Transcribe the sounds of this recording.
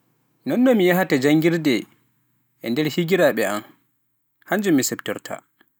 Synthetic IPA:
nɔnːɔmijaɦatad͡ʒaŋɡiɾdɛ | ʔɛndɛɾhiɡiɾaɓɛam | haɲd͡ʒumːisɛbtɔɾtʰa̰

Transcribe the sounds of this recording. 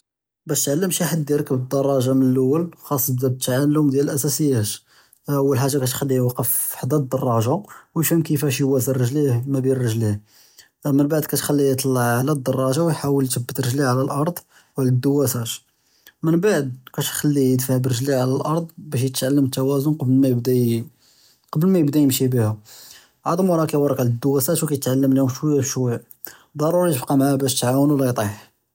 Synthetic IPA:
bæʃt̪ʕalːəmʃiħad̪iɾkːəbəd̪ːɑrˤːɑʒɑmənəlʔʊwːəlxɑsˤːbzæb̚t̪ʕallːʊmd̪jælʔæsæsəjːæt̪ | ʔəwːəlħaʒːakæt̪xælːijwɑqːəfħd̪æd̪ːɑrˤːɑʒawjʃumkəfæʃ̬jwæsərːəʒlihmæbirəʒlih | mənbaʕd̪kæt̪xælːijət̪ˤlːɑʕalæd̪ːɑrˤːɑʒawjħawəlt̪əbːət̪ɾəʒliʕalælʔɑɾˤd̪ˤ | wʕləd̪ːəwːæsæt̪ | mənbaʕd̪̚kæt̪xælːiəd̪faʕbərːəʒliʕalælʔɑɾˤd̪ˤbæʃ̬jət̪ʕalːəmət̪ːæwæzʊnqɑblmæjəbd̪æ | qɑbəlmæjəbd̪æjəmʃibihʊ | ʕɑd̪ˤəmwɑɾˤɑkæjwɑɾˤɑkʕaləd̪ːʊwːæsæt̪wkæjət̪ʕalːəmlihʊmʃwəjːæbʃwæj | d̪ˤɑɾˤuɾijəbqɑmaʕæbæʃt̪ʕawənwlæjt̪ˤiħ

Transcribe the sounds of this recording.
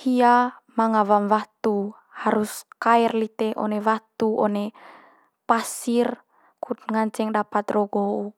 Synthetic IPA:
hiamaŋawamwat̪u | haɾuskaɛrlit̪ɛʔɔ̰nɛwat̪uʔɔne | pasir | kut̪̚ŋant͡ʃɛŋdapat̪rɔɡou

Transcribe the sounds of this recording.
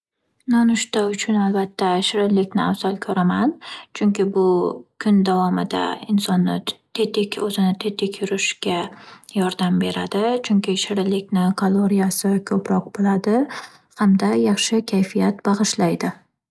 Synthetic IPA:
nɒnʊʃt̪aʊt͡ʃʰʊnalˠbat̪ʰːaʃɪɾɪlɪkʲnɪawzalˠkʰɵɾamant͡ʃʰʊŋkʲɪbʊkʰʊnd̪avɒmɪd̪a̰ɪnsɒnːɪt̪ʰet̪ɪkʲɵzɪnɪt̪ʰet̪ʰɪkʲʰjʊɾɪʃɡʲajɒɾd̪ambe̞ɾad̪ɪt͡ʃʰʊŋkʲɪʃɪɾɪlɪkʲnɪkʰalˠoɾijasɪkʰɵpɾɒq̚bɪlad̪ɪ | hamd̪ajɑχʃɪkʲʰajfijat̪bɑʁɨʃlajd̪ɪ

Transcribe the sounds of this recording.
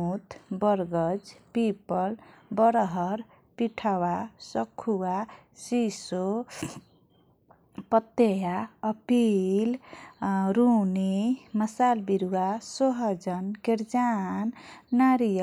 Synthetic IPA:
ut̪bʌɾɡʌd͡ʒpipʌlbʌɾɦʌɾ | piʈʰawasʌkʰːuwasiso | pʌt̪ːejaʌpil | ɾunimʌsalbiɾuwasoɦʌd͡ʒʌnkeɾd͡ʒanːaɾij

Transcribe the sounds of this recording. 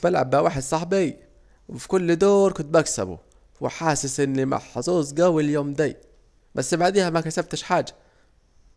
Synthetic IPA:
mælʕa̰bːawaːħed̪sˤɑħbi | wɪfi̥kʊlːd̪oːɾˤkʊnt̪̚bæksæ̰bṵ | wɪ̰ħaːsɪsʔɪnːima̰ħɑsˤuːzˤɡæwiljoːmd̪æː | bæsːbaʕd̪iːhæmækæsæb̚t̪ɪʃħaːd͡ʒḁ

